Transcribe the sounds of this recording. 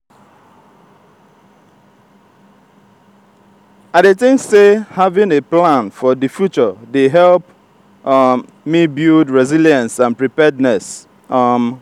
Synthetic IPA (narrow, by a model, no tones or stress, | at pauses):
aɪɾetɪ̃ŋksehavɪ̃neplãnfɔdɨfjut͡ʃɔdeɦɛlp | mibjudɹɛziljãnsãnpɹipɛdnɛs | m